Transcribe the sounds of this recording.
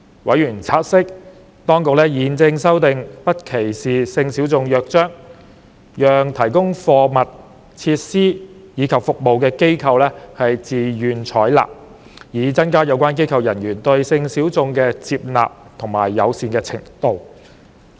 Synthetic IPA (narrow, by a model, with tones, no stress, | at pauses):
wʔɐ̰˨˥jyː˨˩nt͡sʰaː˧t̚sɪ˥k̚ | t̪ɔː˥ŋkʊ˨k̚lɛː˥jiː˨˧nt͡sɪ˧ŋsɐ˥wt̪ɪ˨˧ŋpɐ˥t̚kʰe˨˩jsiː˨˩sɪ˧ŋsiː˨˥wt͡sʊ˧ŋjœː˨k̚t͡ʃœː˥ŋ | jœː˨ŋt̪ʰɐ˨˩jkʊ˥ŋfɔː˧mɐ˨t̚ | t͡sʰiː˧t̚siː˥jiː˨˧kʰɐ˨p̚fʊ˨k̚mo˨wkɛː˧ke˥jkʰɐ˧wlɛː˥hɐ˨jt͡siː˨jyː˨nt͡ʃʰɔː˨˥jla̰ː˨p̚ | jiː˨˧t͡sɐ˥nkaː˥jɐ˨˧wkʷaː˥nk̬e˥jkʰɐ˧wjɐ˨˩njyː˨˩nt̪ɵ˧ɥsɪ˧ŋsiː˨˥wt͡sʊ˧ŋkɛː˧t͡siː˧p̚la̰ː˨p̚t̪ʰʊ˨˩ŋmaː˨˩jːɐ̰˨˧wsiː˨nkɛː˧t͡sʰɪ̰˨˩ŋt̪o˨˧w